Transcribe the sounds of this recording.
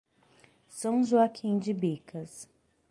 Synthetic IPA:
sɐ̃w̃ʒuakʰĩd͡ʒɪbikʰɐs

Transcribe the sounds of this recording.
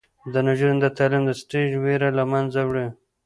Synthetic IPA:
d̪ənaʒuɾind̪ət̪alimd̪əsʈeʒweɾalamanzawɽi

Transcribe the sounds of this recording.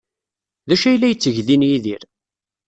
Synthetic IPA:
ðæʃæjlːæjət͡sːəʝðinjiðiɾ

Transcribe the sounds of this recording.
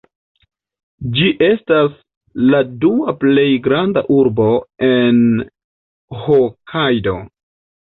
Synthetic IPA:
d͡ʒiʔe̞stas | laduaple̞jɡɾandaʔuɾbo̞e̞n | hokʰajdo̞̰

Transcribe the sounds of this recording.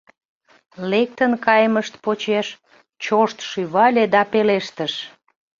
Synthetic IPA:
lek̚t̪ənkɑjməʃt̪̚pot͡ɕeʃ | t͡ɕoʃt̪ʃyβɑlʲed̪ɑpeleʃt̪əʃ

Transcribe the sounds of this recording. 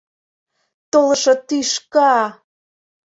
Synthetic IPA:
t̪olə̆ʃɤ̆t̪yʃkɑ

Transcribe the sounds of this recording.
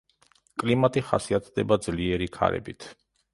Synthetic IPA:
kʼlimat̪ʼiχa̰siat̪ʰd̪ɛbad̪zliɛɾikʰa̰ɾɛ̰bit̪ʰ

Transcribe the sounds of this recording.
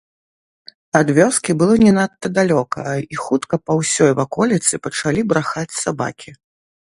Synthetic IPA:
ad̪vʲɔskʲibɨlˠɔnʲɛnat̪ːɐd̪alʲɔkɐ̰ixut̪kɐpɐwsʲɔjvakɔlʲit̪sɨpɐt͡ʂalʲibɾaxat͡sʲsaba̰kʲʰi

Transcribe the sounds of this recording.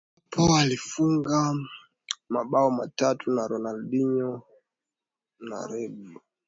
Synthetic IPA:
pʰɔalifuŋɡa | maɓaɔmatatʰunaɾɔnalɗiɲɔ | na̰ɾɛɓu

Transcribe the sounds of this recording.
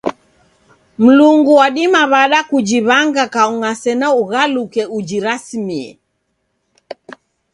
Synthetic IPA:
m̩luŋɡuwaɗimaβaɗakud͡ʒiβaŋɡakauŋasɛnauɣalukɛud͡ʒiɾasimiɛ̰

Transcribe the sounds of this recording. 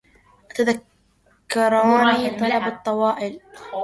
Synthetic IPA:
t̪aðakː | ɑɾˤɑːnit̪ˤɑlɑbɑt̪ˤːɑwɑːʔɪl

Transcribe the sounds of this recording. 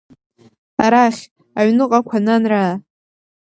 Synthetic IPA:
aɾaχʲ | aɥnɨqʼakʷʰananraː

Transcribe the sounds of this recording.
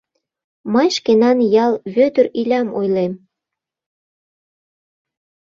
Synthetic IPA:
mɤjʃkenɑnjɑlβøt̪əɾilʲɑmojlem

